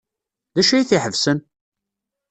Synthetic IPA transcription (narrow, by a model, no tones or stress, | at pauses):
ðæʃijiθiħəvsən